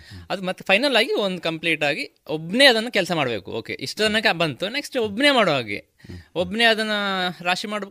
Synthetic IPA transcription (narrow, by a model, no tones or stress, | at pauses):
ɐd̪umɐt̪ːpʰɐjnɐlːaːɡiond̪ukɐmpliːʈaːɡiobːneːɐd̪ɐnːɐkɛlsɐmaːɽbe̞ːkṵoːkḛʔiʂʈɐd̪ɐnɐkːbɐnt̪une̞ksʈeobːneːmaːɽoːɦaːɡḛ | obːneːɐd̪ɐnːɐɾaːʃimaːɽ